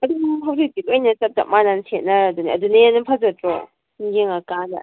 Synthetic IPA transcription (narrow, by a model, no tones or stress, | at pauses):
ɐduɦɐwzik̚bikajnɐsɐp̚ta̰manansʰet̚nɐaduniɐdunɐjanɐpʰazɐtɾɔ | ɡeŋakanɐ̰